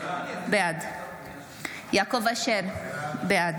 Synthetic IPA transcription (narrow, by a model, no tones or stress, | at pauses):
bead̪ | jaːkovaʃeɾbead̪